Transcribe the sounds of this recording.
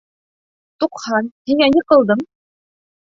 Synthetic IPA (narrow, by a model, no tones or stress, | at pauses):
t̪uqhɑnhiŋæniqɤ̆lˠd̪ɤm